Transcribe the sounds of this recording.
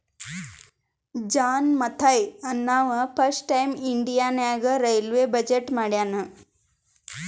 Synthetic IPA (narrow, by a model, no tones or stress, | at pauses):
d͡ʒaːnmɐt̪ʰajɐnːaːʋɐpʰɐsʈʈɐjmiɳɖijaːnjaːɡɐɾejlʋeːbɐd͡ʑeʈːmaːɽjaːnɨ